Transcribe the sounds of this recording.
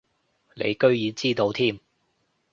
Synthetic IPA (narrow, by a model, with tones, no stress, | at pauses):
lḛ˨˧jkɵ˥ɥjiː˨˧t͡siː˥t̪o˨˧wt̪ʰiː˥m